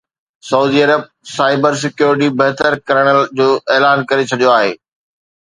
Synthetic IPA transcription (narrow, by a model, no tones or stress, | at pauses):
sɐuːd̪iɐɾəb̚saːɪbəɾs̬ɪkjuːɾɪʈ̬ibɐɦt̪əɾkɐɾəɽ̃əd͡ʑoːeːlaːnkɐɾet͡ɕʰɐɗijoaːɦḛː